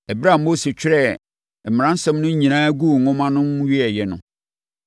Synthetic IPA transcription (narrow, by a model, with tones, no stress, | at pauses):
æ˨bɾa˦˨m̩˦mo˦si˨t͡ɕᶣɪ˦ɾɛ˦˨ | m̩˨m˨ɾã˦n̩˦sɛ̃˦mnʊ̃˦ɲĩ˨nãː˦ɡu˦˨ŋ̩˨ŋʊ̃˦mã˦nʊ̃˦m˦ɥi˦ɛ˨jɛ˨nʊ̰̃˦